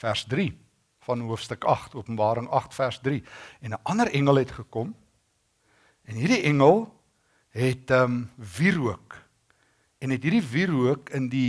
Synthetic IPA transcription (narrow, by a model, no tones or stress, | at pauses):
færsdri | fɐnɦuəfstəkɐχtuəpənmbɑːɾəŋɐχtfærsdriɛnəʔɐnəɾɛŋəlˠɛtχəkom | ɛnɦirdiʔɛŋəlˠ | ɦɛtəmviɾuək | ɛnɦɛtɦiːɾdiviɾuəkəndi